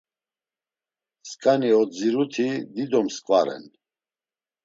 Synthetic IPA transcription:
skʼaniɔd͡ziɾut̪ʰid̪id̪ɔmskʼvaɾɛ̰n

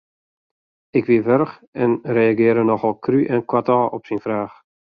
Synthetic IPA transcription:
ɪkʋiəʋørxɛnrejaɡɪəɾənɔxɔlˠkʰryʔɛnkwatɔːʔɔpsinfraːx

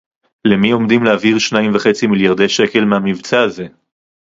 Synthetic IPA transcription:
lemio̞md̪imleaviʁʃnaimvaχe̞t͡similjaʁd̪e̞jʃe̞ke̞lmeamivt͡saːze̞

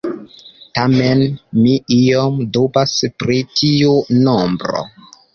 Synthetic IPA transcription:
tamenmiiomdobaspɾitʰiunombɾo̰

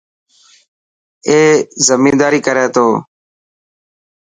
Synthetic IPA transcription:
eːzəmĩːnd̪aːɾiːkəɾeːt̪oː

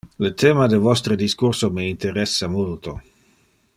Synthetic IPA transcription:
lət̪ʰeːmad̪evɔst̪ɾəd̪iskuɾsomeint̪eɾɛsːamult̪o

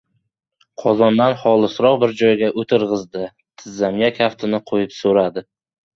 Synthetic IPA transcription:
qʰɒzɒnd̪anχɒlˠɨsɾɒqbɪɾd͡ʒɒjɡʲaʔot̪ʰɪɾʁɨzd̪ɪ | t̪ʰɪzːamjakʲʰaft̪ʰɪnɪqʰojɪpsoɾad̪ɪ

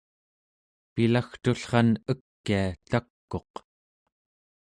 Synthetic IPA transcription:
pilaxt̪uɬχɑnəkːiat̪akːo̞q

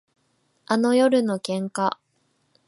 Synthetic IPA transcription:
ano̞jo̞ɾɯ̟no̞kẽ̞ŋka

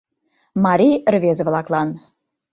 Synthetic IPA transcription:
mɑɾʲijrvezə̆vlˠɑklˠɑn

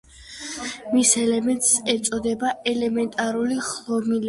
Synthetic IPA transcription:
misɛlɛmɛnt̪ʼsɛt̪sʼɔd̪ɛbaɛlɛmɛnt̪ʼaɾuliχlˠɔmil

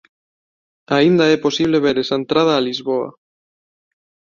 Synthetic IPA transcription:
aind̪aɛposiβ̞leβeɾesaent̪ɾað̞aːlizβoa̰

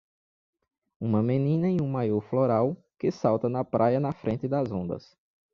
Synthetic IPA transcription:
ũmɐmẽnĩnɐẽũmajɔɾfloɾaw | kɪsawt̪ɐnɐpɾʔajɐnɐfɾʔẽnt̪ɪd̪ɐzõnd̪ɐ̰s

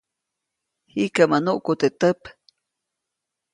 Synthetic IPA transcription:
hikamanuʔkut̪et̪əp

